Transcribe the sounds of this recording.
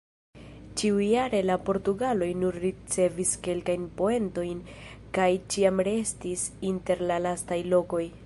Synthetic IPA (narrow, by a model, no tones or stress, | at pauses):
t͡ʃiujaɾe̞lapo̞ɾtuɡalo̞jnuɾːit͡se̞viske̞lkajnpo̞e̞nto̞jn | kajt͡ʃiamɾe̞stisinte̞ɾlalastajlo̞ko̞j